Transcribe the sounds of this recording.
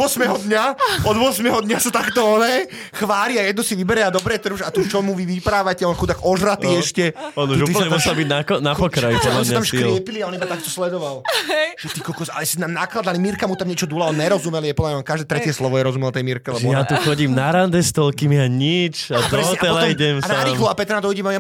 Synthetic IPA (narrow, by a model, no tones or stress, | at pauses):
ʊɔsmɛɦɔd̪ɲaɔd̪ʊɔsmɛɦɔd̪ɲasat̪akt̪ɔɔnɛ | xʋaːliajɛd̪nusiʋibɛɾɛad̪ɔbɾɛt̪r̩uʒat̪ut͡ʃɔmuʋiʋipɾaːʋacɛɔnkut̪aɡɔʒɾat̪iɛʃcɛɔnuʃuːiplɲɛmusɛlbiɟnanapɔkɾajipɔdllamsɲat̪amʃkɾɪɛpiliaɔnibat̪ak̚t̪ɔslɛd̪ɔʋalʒɛt̪ikɔlkɔsa̰ɛsinaːmnaklad̪alimiɾkamut̪amɲɛt͡ʃɔd̪ulaɔnɲɛɾɔzumɛljɛpɔd̪lamɲaɔnkaʒd̪ɛːt̪ɾɛcɪɛslɔʋɔjɛɾɔzumɛlt̪ɛjmiɾkɛlɛbʒɛɔjat̪uxɔɟimnaɾand̪ɛst̪ɔlkimiaɲit͡ʃad̪ɾɔɛɔaɛɔlaiɟɛmsanaɾiːxlɔapɛt̪ɾnat̪ɔjiɟɛmaja